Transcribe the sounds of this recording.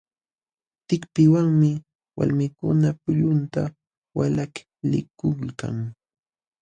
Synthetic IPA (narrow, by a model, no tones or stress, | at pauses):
t̪ɪkpɪwaŋmɪ | wa̰lmɪkʊnapʊʎʊnt̪a | walak | lɪ̰kʊka̰ŋ